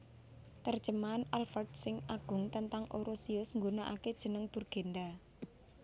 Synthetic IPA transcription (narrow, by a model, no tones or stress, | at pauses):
t̪ərd̥ʒ̥ə̤manalfərt̪sɪŋaɡ̥ʊ̤ŋt̪ənt̪aŋʔoɾosiʊsŋɡunaʔa̰ked̥ʒ̥ə̤nəŋb̥urɡ̥e̤nd̪a